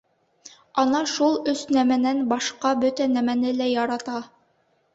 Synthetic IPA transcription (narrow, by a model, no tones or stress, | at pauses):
ɑnɑʃulˠɵsnæmænænbɑʃqɑbɵt̪ænæmænɘlæjɑɾɑt̪ɑ